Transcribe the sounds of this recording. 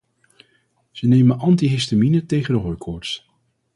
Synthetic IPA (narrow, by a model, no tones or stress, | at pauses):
z̥ənejmənʔɑntiɦɪstaminətejχəndəɦɔjkʰɔːɹts